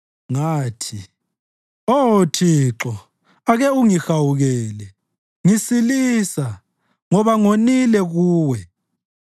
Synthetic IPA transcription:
ŋaːtʰi | otʰiǁɔ | aɣɛuŋixawuɣɛːlɛ | ŋisilisa | ŋɔβaŋonilɛɣuːwɛ

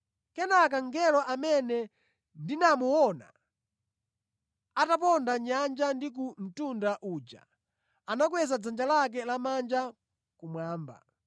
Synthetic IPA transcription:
kɛnak̬aŋɡɛlɔʔamɛnɛ | ndinamuwɔna̰ | atap̬ɔndaɲand͡ʒandik̬um̩tundaʔuːd͡ʒa̰ | anakwɛzad͡zand͡ʒalak̬ɛlamand͡ʒa | kumwaːmba̰

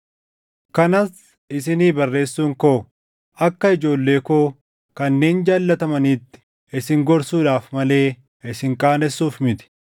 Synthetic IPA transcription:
kɐnɐs | ɪs̬ɪniːbɐrːe̞ːsːuːŋkoː | ɐkːɐɪd͡ʒo̞ːlːe̞ːkoː | kɐnːe̞ːnd͡ʒaːlːɐt̪ɐmɐniːt̪ːɪ̥ | ɪsɪŋɡɔɾsuːᶑaːfmɐle̞ː | ʔɪsɪŋkʼaːnɛsːuːfmɪt̪ɪ̥

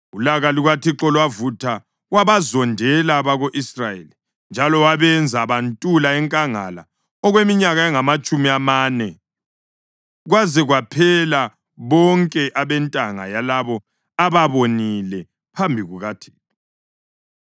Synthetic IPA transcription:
ulaɣaliɣwatʰiǁɔlwavutʰa | waβazɔndʱɛlaβaɣoʔisrajḛli | nd͡ʒʱalɔwaβɛnd͡zʱaβantʼulaɛŋkʼaŋa̰la̰ | ɔɣwemiɲaɣaɛŋamat͡ʃʼumiamaːnɛ | ɣwazɛɣwapʰɛla | βɔŋkʼɛʔaβɛntʼaŋa̰jalaβɔ | aβaβonilɛ | pʰambʱiɣuɣatʰi̥ːtʼɔ

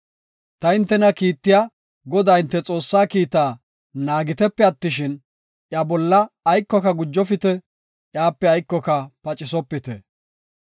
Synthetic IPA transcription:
t̪ɐɪnt̪ːɛnɐkiːt̪ːɪja | ɡɔd̪ajɪnt̪ːɛt͡sʼo̞ːsːaːkiːt̪aː | naːɡɪt̪ɛpːɛɐt̪ːɪʃɪn | ʔjabɔlːɐːjkːɔkɐɡʊd͡ʒːɔfɪt̪ɛ | ʔjaːpːɛɐjkːɔkɐpɐt͡ʃʼɪsɔpːɪt̪ɛ̰

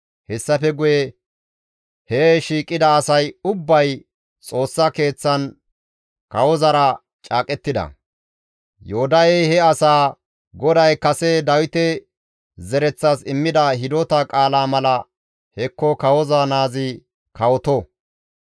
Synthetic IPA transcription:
hɛsːɐfɛɡʊjɛ | heʃiːkʼːɪd̪ɐːsɐjʊbːɐj | t͡sʼo̞ːsːɐke̞ːt͡sːɐn | kɐwɔzɐɾɐ | t͡ʃʼaːkʼɛt̪ːɪd̪ɐ̰ | joːd̪ɐjɛjhɛɐsaː | ɡɔd̪ɐjkɐsɛd̪ɐwɪt̪ɛ | zɛɾɛt͡sːasɪmːɪd̪ɐɦɪd̪ɔt̪ɐkʼaːlaːmɐlɐ | hɛkːɔkɐwɔzaːnaːzɪ | kɐwɔt̪ɔ

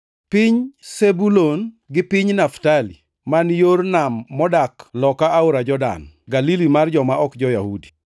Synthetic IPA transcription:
pɪɲsebulon | ɡɪpɪɲnaftalḭ | manjornamːɔdaklɔkaaoɾad͡ʒɔda̰n | ɡalilimard͡ʒɔmaɔkd͡ʒɔjahudi̥

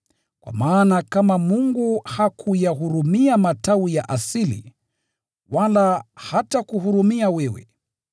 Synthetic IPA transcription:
kwa̰maːnakamamuŋɡuhakʰujaɦuɾumiamataujaʔasilḭ | walahatakuɦuɾumiawɛwɛ̰

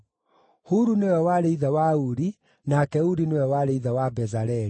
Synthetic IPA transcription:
huɾunewɛwaɾeiðawauɾi | nakɛuɾinewɛwaɾeiðawabɛzaɾɛɾi

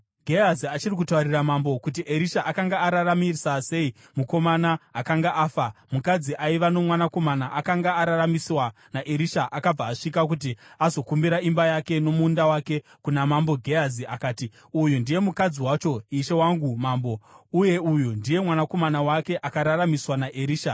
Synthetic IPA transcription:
ɡʱeaziat͡ʃirik̬utauriramambo̞kut̬iʔeɾiʃaʔakaŋɡaːɾaramirisase̞i | muko̞manaːkaŋɡaʔaːfamukad͡ziʔaiʋano̞mwanako̞manaʔakaŋɡaːɾaramisiwa | naʔeɾiʃaʔakab͡vaːʂikak̬ut̬iazo̞kumbiɾaimbajake̞no̞mundawake̞ | kunamambo̞ɡʱeaziakaːti | ujundije̞mukad͡ziwat͡ʃo̞iʃe̞waŋɡumaːmbo̞uje̞ujundije̞mwanako̞manawake̞ʔakaɾaramiswanaʔeɾiːʃa

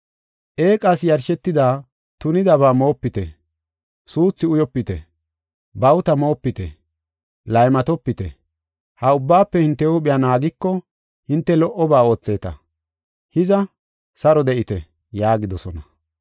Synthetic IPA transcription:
ʔeːkʼasjɐɾʃɛt̪ːɪd̪aː | t̪ʊnɪd̪ɐβaːmo̞ːpːɪt̪ɛ | suːt͡sːɪʊjɔpːɪt̪ɛ̰ | bɐwt̪ɐmo̞ːpːɪt̪ɛ̰ | lɐjmɐt̪ɔpːɪt̪ɛ̰ | hɐʊbːaːpːɛhɪnt̪ːɛuɓɪjaːnaːɡɪkːɔ | hɪnt̪ːɛlɔʔɔbaːo̞ːt͡sːe̞ːt̪ɐ̰ | hɪzɐ | sɐɾɔd̪ɛʔɪt̪ɛ | jaːɡɪd̪ɔsɔnɐ

